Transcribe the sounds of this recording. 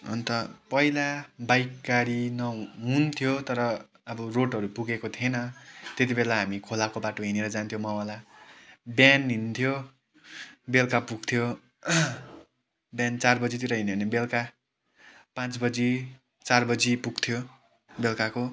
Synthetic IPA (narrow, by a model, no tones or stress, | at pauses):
ʌ̰nt̪ʌpʌilabajkɡaɾinʌɦunt̪ʰjot̪ʌɾʌː | bʌroʈɦʌɾupuɡekot̪ʰjenʌt̪et̪̬ibelaɦamikʰolakobaʈoɦineɾʌd͡zant̪ʰjomʌwala | bjanɦint̪ʰjo | belkapuɡt̪ʰjo | bjant͡sarbʌd͡zit̪iɾʌɦineʌnebelka | pãt͡sbʌd͡zi | t͡sarbʌd͡zipuɡt̪ʰjo | belkako